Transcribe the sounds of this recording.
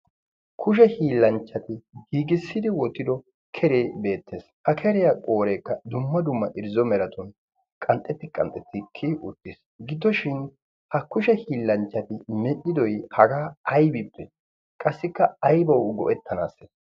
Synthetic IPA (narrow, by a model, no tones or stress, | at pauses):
kʰʊʃ̬ɛhiːlːɐnt͡ʃːɐt̪ɪɡiːɡɪsːɪd̪ɪwɔt̪ːɪd̪ɔ | kʰɛɾe̞ːbe̞ːt̪ːeːshɐkʰɛɾɪjakʼoːɾeːkːɐd̪ʊmːɐd̪ʊmːɐʔɪɾzɔmɛɾɐt̪ʊn | kʼɐnt̪ʼːɛt̪ːɪkʼɐ̰nt̪ʼɛt̪ːɪkʰːɪʔʊt̪ʼːɪs | ɡɪd̪ɔʃɪn | hɐkʊʃɛhiːlːɐnt͡ʃːɐt̪ɪmɛʔɪd̪ɔjhɐɡaːɐjbɪpːɛ | kʼɐsːɪkːɐɐjbɐwɡɔ̰ʔɛt̪ʰːɐna̰ːsːes